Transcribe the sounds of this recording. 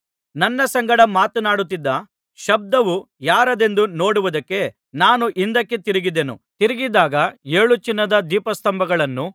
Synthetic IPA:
nɐnːɐsɐŋɡɐɽɐmaːt̪unaːɽut̪ːid̪ːɐ | ʃɐb̚d̪ɐʋu | jaːɾɐd̪e̞nd̪uno̞ːɽuʋud̪ɐkːe̞ | naːnuʔind̪ɐkːet̪iɾiɡid̪enṵt̪iɾiɡid̪aːɡɐeːɭut͡ʃinːɐd̪ɐd̪iːpɐst̪ɐmbɐɡɐɭɐnːu

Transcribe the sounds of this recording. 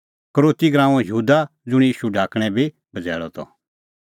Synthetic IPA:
kəɾoːt̪iɡɾãːũjəɦuːd̪ad͡zʊ̃jiːʃuɖʱaːkɽ̃ɛ̃bʱi | bʱɐd͡zɛ̰ːɭɔ̰t̪ʰɔ̰

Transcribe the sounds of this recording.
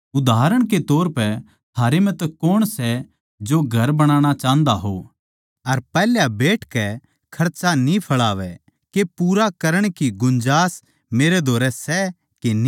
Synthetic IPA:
ʊd̪aːɾəɽ̃ket̪ɔːɾpɛ | t̪ʰaːɾemɛ̃t̪ɐkoːɽ̃sɛ | d͡ʒoːɡʱɐɾbɐɽ̃aːɽ̃at͡ʃaːə̃nd̪aɦo̰ː | ɐɾpɛːljabeːʈʰkɛ | kʰɐɾt͡ʃanĩpʰɐɭaːʋɛ | kepuːɾakɐɾəɽ̃kiɡʊ̃nd͡ʒaːs | meːɾed̪ʱoːɾɛsɛ | keni

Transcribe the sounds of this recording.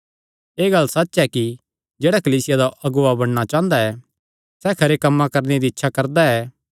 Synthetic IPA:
eːɡɐlsɐtːʃɛki | d͡ʒeːɽakɐliːsɪjad̪aʔɐɡʊabɐɽ̃ɽ̃at͡ʃãːnd̪aɛ | sɛkʰɐɾekɐmːãkɐɾned̪iɪtːʃʰakɐɾd̪aɛː

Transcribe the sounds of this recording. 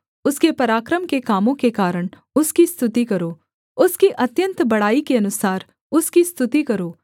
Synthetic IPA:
ʊskepɐɾaːkɾəmkekaːmõkekaːɾəɽ̃ | ʊskist̪ʰʊt̪ikɐɾoː | ʊskiʔɐt̪jə̃nt̪bɐɽ̤aːikeɐnʊsaːɾ | ʊskist̪ʰʊt̪ikɐɾoː

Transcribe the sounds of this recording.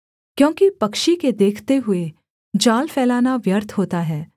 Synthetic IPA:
kjõːkipɐkʃiked̪eːkʰt̪eɦʊe | d͡ʒaːlfɛːlaːnaʋjəɾt̪ʰɦoːt̪aɦɛː

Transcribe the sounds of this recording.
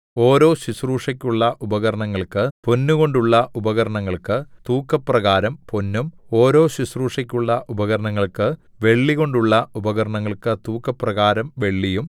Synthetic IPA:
o̞ːɾo̞ːɕisruːʂɐkʲːuɭːɐʔubɐɣɐɾɐɳɐŋːɐɭkɨpo̞nːuɣo̞ɳɖuɭːɐubɐɣɐɾɐɳɐŋːɐɭkɨt̪uːkːɐprɐɣaːɾɐmponːumo̞ːɾo̞ːɕisruːʂɐkʲːuɭːɐʔubɐɣɐɾɐɳɐŋːɐɭkɨ | ʋe̞ɭːiɣo̞ɳɖuɭːɐubɐɣɐɾɐɳɐŋːɐɭkɨt̪uːkːɐpːrɐɣaːɾɐmʋe̞ɭːijum

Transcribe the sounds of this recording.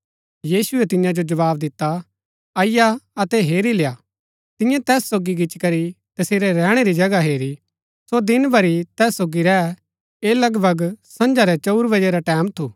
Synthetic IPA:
jiːsʊɛt̪ɪ̃jãd͡ʒod͡ʒɐʋaːbd̪ɪt̪ːa | ɐjaɐt̪ɛɦeːɾilejaː | t̪ɪ̃jãt̪ɛːsːoːɡiɡɪt͡ʃkɐɾi | t̪ɐseːɾɛɾɛ̃ːɽ̃eɾid͡ʒɐɡaɦeːɾi | sod̪ɪnbɐɾit̪ɛːsːoːɡiɾɛː | eːlɐɡbʱɐɡsɐ̃nd͡ʒaɾɛt͡ʃɐuɾbɐd͡ʒeɾaʈɛ̃ːmt̪ʰuː

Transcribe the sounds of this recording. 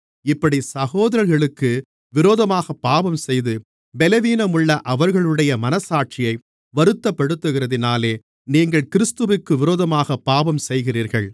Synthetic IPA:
ɪpːɐɽisɐɣoːðɐɾɐɾɣɐɭɯkːɯ | ʋɪɾoːðɐmaːɣɐpːaːbɐmsɛjðɯ | bɛlɐʋiːnɐmʊɭːɐʔɐʋɐɾɣɐɭɯɽɐjɐmɐnɐsaːʈ̚t͡ʃɪjɐɪ | ʋɐɾɯt̪ːɐpːɐɽɯt̪ːɯɣɪrɐðɪnaːleː | niːŋɡɐɭkɪɾɯst̪ɯʋɪkːɯʋɪɾoːðɐmaːɣɐpːaːbɐmsɛjɣɪriːɾɣɐɭ

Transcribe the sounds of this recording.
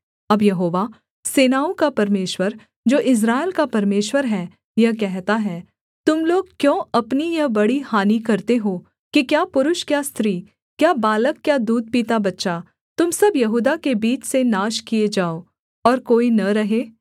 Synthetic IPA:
ɐbjɐɦoːʋa | seːnaːõkapɐɾmeːʃwəɾ | d͡ʒoːʔɪs̬ɾaːɪlkapɐɾmeːʃwəɾɦɛː | jɐɦkɛɦt̪aɦɛː | t̪ʊmloːɡ̚kjõːɐpnijɐɦbɐɽihaːnikɐɾt̪eɦoː | kikjaːpʊɾʊʃkjaːst̪ʰɾiː | kjaːbaːləkːjaːd̪uːd̪̚piːt̪abɐtːʃa | t̪ʊmsɐbjɐɦuːd̪akebiːt͡ʃsenaːʃkied͡ʒaːoː | ɔːɾkoːinɐɾɐɦeː

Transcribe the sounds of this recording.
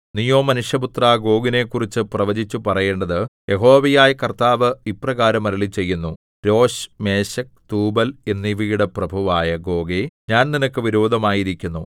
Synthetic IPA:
nijo̞ːmɐnuʂjɐput̪raːɡo̞ːɡine̞kːurit͡ɕːɨprɐʋɐd͡ʑit͡ɕːupɐrɐje̞ːɳɖɐðɨje̞ɦo̞ːʋijaːjɐkɐrt̪aːʋɨiprɐɣaːɾɐmɐɾɐɭit͡ɕe̞jːunːu | ɾo̞ːɕme̞ːɕɐk̚t̪uːbɐle̞nːiʋijuɽeprɐbʱɐʋaːjɐɡo̞ːɡeɲaːnninɐkːɨʋiɾoːd̪ʱɐmaːjiɾikʲːunːu

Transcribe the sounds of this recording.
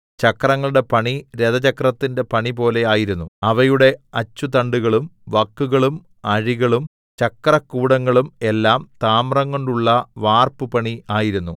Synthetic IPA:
t͡ɕɐkːrɐŋːɐɭuɽe̞pɐɳiɾeðɐt͡ɕɐkrɐt̪ːinde̞pɐɳipo̞ːle̞aːjiɾunːuɐʋɐjuɽe̞ɐt͡ɕːut̪ɐɳɖuɣɐɭumʋɐkːuɣɐɭum | ɐɻiɣɐɭum | t͡ɕɐkrɐkːuːɽɐŋːɐɭume̞lːaːmt̪aːmrɐŋːo̞ɳɖuɭːɐʋaːrpɨpɐɳiaːjiɾunːu

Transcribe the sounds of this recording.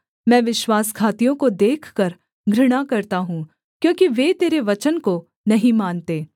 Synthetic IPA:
mɛ̃ːʋɪʃwaːskʰaːt̪ijõkod̪eːkʰkɐɾ | ɡʱɾɪɽ̃akɐɾt̪aɦũː | kjõːkiʋeːt̪eːɾeʋɐt͡ʃənko | nɐɦĩmaːnt̪eː

